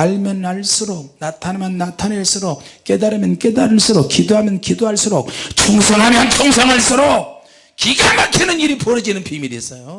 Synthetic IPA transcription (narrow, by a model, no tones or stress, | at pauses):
aɭmjʌnaɭs͈uɾok̚natʰanmjʌnːatʰaneɭs͈uɾok̚k͈e̞daɾɯmjʌnk͈e̞daɾɯɭs͈uɾok̚kːidoɦamjʌnkidoɦaɭs͈uɾok̚t͡ɕʰoŋsʰʌŋɦamjʌnt͡ɕʰoŋsʰʌŋaɭs͈uɾok̚ | kiɡamakʰinɯniɾipoɾɯd͡ʑinɯnpʰimiɾis͈ʌjo